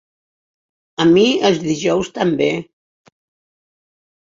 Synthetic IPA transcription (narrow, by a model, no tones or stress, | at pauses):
əmiəlˠzðiʒɔwst̪əmbe